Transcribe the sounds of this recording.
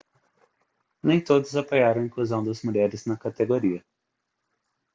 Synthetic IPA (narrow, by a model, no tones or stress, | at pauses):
nẽj̃t̪od̪ʊzapojaɾɐ̃w̃ĩkluzɐ̃w̃d̪ɐzmuʎɛɾɪznɐkat̪eɡoɾiɐ